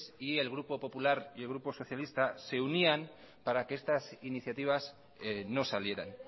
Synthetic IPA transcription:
sie̞lɣ̞ɾupo̞po̞pulaɾielɣɾupo̞so̞θjalist̪ase̞unian | paɾakeest̪asiniθjat̪iβ̞as | eno̞salje̞ɾa̰n

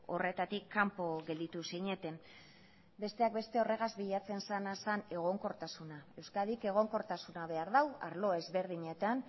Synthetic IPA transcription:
o̞re̞t̪at̪ikʰːampo̞ɣe̞ld̪it̪usiɲe̞t̪e̞m | be̞st̪e̞ak̚be̞st̪e̞o̞re̞ɣazbiʎat͡se̞nsanasane̞ɣ̞o̞ŋkoɾt̪asunae̞wskað̞ike̞ɣ̞o̞ŋko̞ɾt̪asunaβe̞aɾðawa̰ɾlo̞e̞zβe̞ɾðiɲe̞t̪an

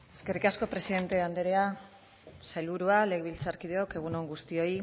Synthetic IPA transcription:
e̞ske̞rikasko̞pɾe̞siðe̞nt̪e̞and̪eɾea | sajlβuɾuale̞ɣβilt͡saɾkið̞eo̞ke̞ɣ̞uno̞ŋɡust̪io̞i

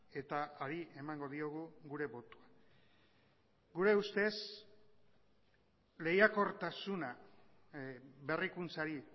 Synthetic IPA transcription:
e̞t̪aaɾie̞maŋɡo̞ðio̞ɣuɣuɾe̞βo̞t̪ua | ɡuɾe̞ust̪e̞s | le̞jako̞ɾt̪asuna | βe̞rikunt͡saɾi

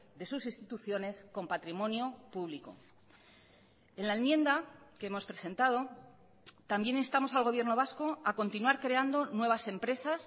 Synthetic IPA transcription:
d̪e̞susinst̪it̪uθjo̞ne̞sko̞mpat̪ɾimõ̞njo̞puβliko̞̰ | e̞nlaenmjẽ̞nd̪akeemo̞spɾe̞sẽ̞nt̪að̞o̞ | t̪ambje̞ninst̪amo̞salɣo̞βje̞ɾno̞β̞asko̞ako̞nt̪inwaɾkɾe̞and̪o̞nwe̞βase̞mpɾe̞sas

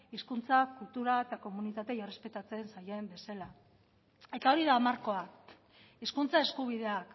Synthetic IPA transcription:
iskunt͡sakult̪uɾaet̪ako̞munit̪at̪e̞jore̞spe̞t̪at͡se̞nsaje̞mbe̞sela | e̞t̪ao̞ɾiðaːmaɾko̞ak | iskunt͡sae̞skuβ̞iðe̞ak

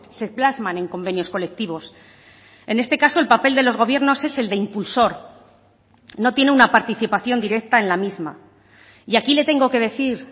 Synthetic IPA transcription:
se̞plazmanẽ̞ŋko̞mbe̞njo̞sko̞le̞k̚t̪iβ̞o̞s | e̞ne̞st̪e̞kaso̞e̞lpape̞ld̪e̞lo̞zɣ̞o̞β̞je̞ɾno̞se̞se̞ld̪eimpulso̞ɾ | no̞t̪je̞neunapaɾt̪iθipaθjo̞nd̪iɾe̞k̚t̪aenlamizma̰ | iakile̞t̪e̞ŋɡo̞ke̞ð̞e̞θiɾ

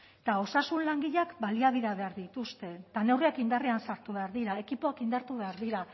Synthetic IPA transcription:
t̪ao̞sasunlaŋɡiʎakbaliaβiðaβe̞aɾðit̪ust̪e̞t̪ane̞wriakind̪ariansaɾt̪uβe̞aɾðiɾae̞kipo̞akind̪aɾt̪uβe̞aɾðiɾa

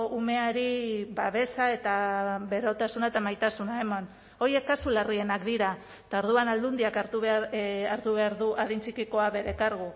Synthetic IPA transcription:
ume̞aɾiβaβe̞sae̞t̪aβe̞ɾo̞t̪asunaet̪amajt̪asunae̞mon | o̞je̞kːasularie̞nakd̪iɾa | t̪ao̞ɾð̞uanald̪und̪iakaɾt̪uβaɾt̪uβe̞aɾðuʔaðint͡ʃikiko̞aβe̞ɾe̞kaɾɣ̞u

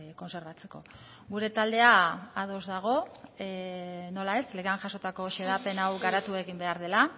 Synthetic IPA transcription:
ko̞nse̞ɾβat͡se̞ko̞̰ | ɣuɾe̞t̪ald̪e̞aað̞o̞zðaɣ̞o̞ | no̞lae̞st̪leɣeaŋʝaso̞t̪ako̞ʃeðape̞nawɣaɾat̪ue̞ɣimbe̞aɾð̞e̞la

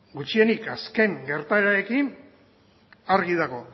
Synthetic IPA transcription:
ɡut͡ʃie̞nikaske̞ŋɡe̞ɾt̪aeɾae̞kin | aɾɣið̞aɣo̞

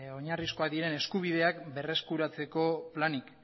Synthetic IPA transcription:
o̞ɲarisko̞aðieɾe̞ne̞skuβ̞ið̞e̞akbe̞re̞skuɾat͡se̞ko̞planik

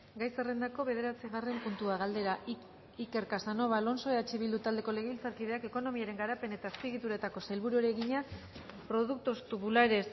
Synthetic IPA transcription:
ɡajsere̞nd̪ako̞βe̞ðe̞ɾat͡siɣare̞mpunt̪uaɣald̪e̞ɾa | ike̞ɾkasano̞βalo̞nso̞eat͡ʃeβild̪ut̪ald̪e̞ko̞le̞ɣeβilt͡saɾkið̞e̞ake̞ko̞no̞miaɾe̞ŋɡaɾape̞ne̞t̪aespiɣ̞it̪uɾet̪ako̞sajlβuɾuaɾeɣiɲa | pɾo̞ðuk̚t̪ost̪uβulaɾe̞s

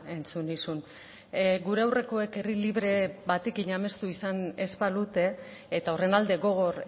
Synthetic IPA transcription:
e̞nt͡sunisun | ɡuɾe̞awre̞ko̞e̞ke̞riliβɾe̞βat̪e̞kiɲame̞st̪uisane̞spalut̪e̞ː | t̪ao̞re̞nald̪e̞ɣo̞ɣ̞o̞ɾ

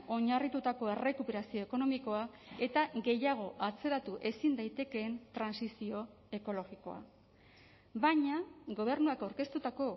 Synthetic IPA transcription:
o̞ɲarit̪ut̪ako̞e̞re̞kupe̞ɾasio̞eko̞no̞miko̞a | e̞t̪aɣe̞jaɣ̞o̞ʔat͡se̞ɾat̪uʔe̞sind̪ajt̪e̞ke̞ːnt̪ɾansisio̞ | e̞ko̞lo̞ɣiko̞̰a̰ | baɲaɡo̞β̞e̞ɾnuakawɾke̞st̪ut̪ako̞

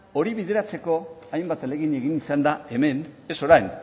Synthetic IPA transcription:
o̞ɾiβið̞e̞ɾat͡se̞ko̞ajmbat̪ale̞ɣ̞ine̞ɣinisand̪ae̞me̞ne̞so̞ɾajn

